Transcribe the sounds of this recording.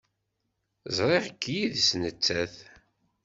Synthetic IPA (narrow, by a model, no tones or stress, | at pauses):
zˤɾˤeʁəkʰːjiðsnət͡sːæθ